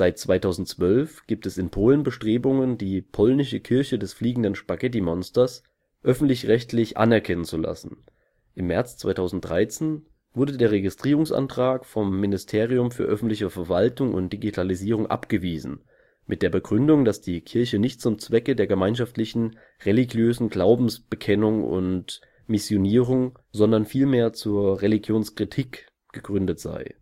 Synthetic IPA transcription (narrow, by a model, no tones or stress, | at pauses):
z̥aɪt̚t͡sv̥aɪtʰaʊzn̩tt͡sv̥œlfɡ̥iːp̚tɛsɪnpʰoːlənbəʃtʁ̥eːbʊŋəndiːpʰɔlnɪʃəkʰɪɐçədɛsfliːɡŋ̩dənʃpaɡɛt̬imɔnstɐs | ʔœfn̩tlɪçʁɛçtʰlɪçʔa̰nɛɐkʰɛnənt͡sula̰sn̩ | ʔɪmːɛɐt͡st͡sv̥a̰ɪtʰaʊzn̩t̚d̥ʁaɪt͡seːn | v̥ʊɐdədeːɐʁeɡɪstʁ̥iːʁ̞ʊŋsʔa̰ntʁ̥aːkfɔmːɪnɪstʰeːʁ̞iʊmfyːɐʔœfn̩tlɪçəfɛɐvaltʊŋʊ̰nt̚d̥iɡitʰaliziːʁ̞ʊŋʔa̰pɡ̥əviːzn̩ | mɪt̚d̥eːɐbəɡʁʏndʊŋdasd̥iːkʰɪɐçənɪçt̚t͡sʊmt͡sv̥ɛkədeːɐɡəmaɪnʃaftlɪçn̩ | ʁeliɡjøːzn̩ɡlaʊbm̩sb̥əkʰɛnʊŋʊ̰nt | mɪsjoniːʁʊŋ | zɔndɐnfiːlmeːɐt͡suːɐʁeliɡjoːnskʁ̥itʰiːk | ɡ̥əɡʁʏndətz̥a̰ɪ